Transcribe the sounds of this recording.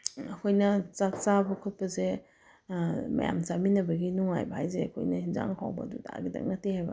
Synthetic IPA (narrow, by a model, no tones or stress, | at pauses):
ɐkʰojnɐt͡ʃat͡ʃabɐkʰut̚pɐze | mɐ̰ja̰mt͡ʃaminɐbɐɡinuŋa̰jbɐhajzeɐkʰo̰jnɐhinza̰ŋhʰa̰wbɐ̰duda̰ɡidɐ̰k̚nɐtihajbɐ̰